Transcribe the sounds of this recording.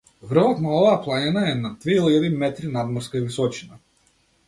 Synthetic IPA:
vr̩vɔt̪naɔvaːplˠaɲɛnaɛnad̪vɛilˠiʎad̪imɛt̪ɾinad̪mɔɾskaivisɔt͡ʃina

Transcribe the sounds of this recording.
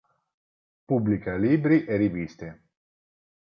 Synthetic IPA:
publikalibɾiʔeɾivist̪e

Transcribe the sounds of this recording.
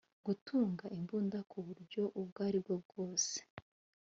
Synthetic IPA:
ɡutʰuːŋɡaʔimbuːndakʰuβuɾɟo̞ʔub̚ɡaːɾibɡob̚ɡoːse̥

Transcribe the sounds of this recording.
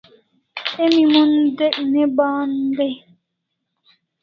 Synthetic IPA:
emimɔn̩deʔ̩nebaːn̩de

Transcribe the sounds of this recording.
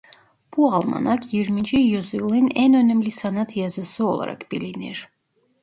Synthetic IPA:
b̥ualˠma̰nakʰjiɾmind͡ʒijyzɯlˠɯnɛnønɛmlisanat̪ʰjɑzɯsɯo̰lˠa̰ɾʔa̰kb̥iliniɾ̥

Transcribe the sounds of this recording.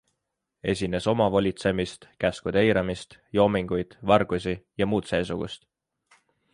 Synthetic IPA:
e̞̰s̬ʲine̞so̞mɑvolʲit̪se̞mist̪kæskud̪̥ejɾɑmist̪jo̞ːmiŋɡ̥ujd̪̥vɑrɡ̥us̬ʲijɑmuːt̪se̞ːsuɡ̥ṵst̪

